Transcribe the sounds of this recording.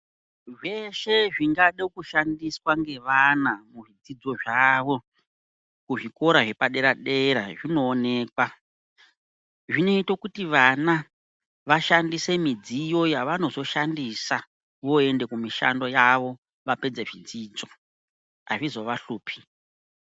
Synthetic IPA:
ʐe̞ʃe̞ʐiŋɡaɗekuʃandiswaŋɡe̞ʋanamuʐid͡zid͡zo̞ʐaʋo̞ | kuʐiko̞ɾaʐe̞paɗe̞ɾaɗe̞ɾaʐino̞ːne̞ːkwa | ʐino̞itokutiʋana | ʋaʃandise̞mid͡zijo̞jaʋano̞zo̞ʃandisa | ʋo̞e̞nde̞kumiʃa̰ndo̞jaʋo̞ | ʋape̞d͡zeʐid͡ziːd͡zo̞ | a̰ʐizo̞ʋaɬuːpʰi̥

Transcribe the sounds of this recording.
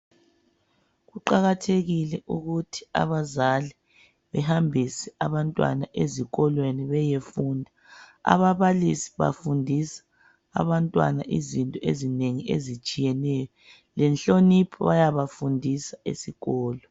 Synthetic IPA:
ɣuǃaɣatʰeɣilɛʔuɣutʰi̥a̰βazali | βɛhambʱisɛaβantʼwa̰naʔeziɣɔlweniβɛjefuːndʱa | a̰βaβalisi̥βa̰fundʱisḁ̰ː | βantʼwa̰na̰ʔizintʼɔezineŋiḛzit͡ʃʼijɛnɛjɔ | lɛnɬonipʰɔβajaβafundʱisaḛsiɣɔːlɔ

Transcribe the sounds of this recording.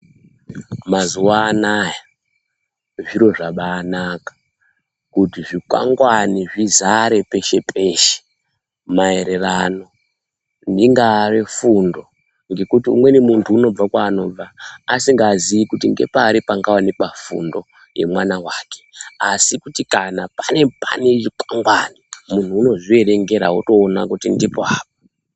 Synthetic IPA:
mazuwaːnaja | ʐiɾo̞ʐaɓaːnakḁ | kutiʐikwa̰ŋɡwaniʐizaɾe̞pe̞ʃe̞pʰe̞ʃe̥ | mae̞ɾe̞rano̞ | ndiŋɡaːrefundo̞ | ŋɡe̞kutiṵmwe̞nemuntʰuːno̞b͡vakwaːno̞ːb͡vaːsiŋɡaːziʋikutiŋɡe̞̰paːɾipaŋɡawanepafṵndo̞̰ | je̞̰mwanawaːke̥asikutikanapane̞pa̰ne̞ʐikwaŋɡwanimun̤uːno̞ʐie̞ɾe̞ŋɡe̞ɾauto̞ːnakutindipoaːp̚ḁ

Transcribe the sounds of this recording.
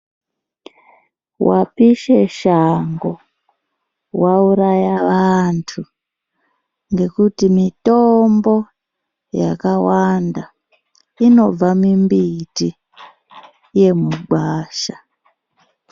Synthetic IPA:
wʔa̰piʃe̞ʃaŋɡo | wauɾajaʋantʰu | ŋɡe̞kutimitombo̞ | ja̰kawanda | ino̞b͡vamimbiti | je̞muɡ͡bʱwaːʃa

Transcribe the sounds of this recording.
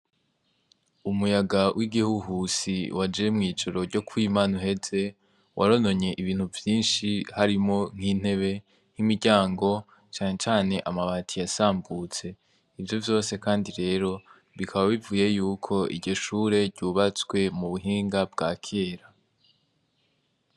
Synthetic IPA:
umujaɡawʔiɡihuɦusiwad͡ʒemŋiːd͡ʒoɾo̞ɾɟo̞kwiːmaːnuɦe̞ze̞ | wʔaɾo̞no̞ɲe̞ʔiβiːn̥huvjiːnʃihaɾimo̞ŋ̥hiːn̥e̞βe̞ | n̥imiɾɟaːŋɡo̞ | t͡ʃaːɲe̞t͡ʃaːne̞ʔamaβaːtʰijasaːmbut͡se̞ | ivjo̞vjo̞ːse̞kaːndiɾe̞ːɾo̞ | βikʰaβaβivuːje̞juːkʰo̞ḭɟo̞ʃuːɾe̞ɾɟuːβat͡swe̞muβuɦiːŋɡabɡaːkʰeːɾa

